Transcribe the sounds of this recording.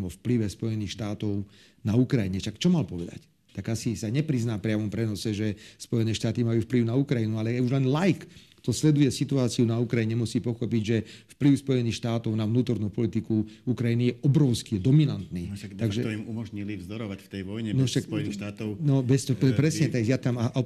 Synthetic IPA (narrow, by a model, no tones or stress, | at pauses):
mɔfpliʋɛspɔjɛniːxʃt̪aːt̪ɔʊ | naukɾajiɲɛʃakt͡ʃɔmalpɔʋɛd̪a̰c | t̪aɡasisaɲɛpɾiznaːpɾɪaʋɔmpɾɛnɔsɛʒɛspɔjɛnɛːʃt̪aːt̪imajuːfpliʊnaukɾajinualɛuʒlɛnlajkː | t̪ɔslɛd̪ujɛsit̪uaːt͡siunaukɾajiɲɛmusiːpɔxɔpiɟʒɛfpliʊspɔjɛniːxʃt̪aːt̪ɔʊnaʋnuːt̪ɔɾnuːpɔlit̪ikuukɾajinijɛʔɔbɾɔʊskid̪ɔminant̪niːt̪aɡʒɛimumɔʒɲilivzd̪ɔɾɔʋacft̪ɛjʋɔjɲɛnɔʃaksɔjɛniʃt̪aːt̪ɔʊnɔbɛstɔɛpɾɛsɲɛt̪akjat̪amaʔ